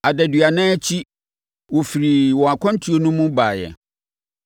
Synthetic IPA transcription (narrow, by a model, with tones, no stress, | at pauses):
a˨dɛ˨dɥa˨nɛ̃˦t͡ɕʰi˦ | wɔ˨fi˨ɾi˨wɔ˨a˨kʷʰɔ̃˦n̩˦tʰi˦o˦nʊ̃˦mũ˦ba˨jɛ̰˨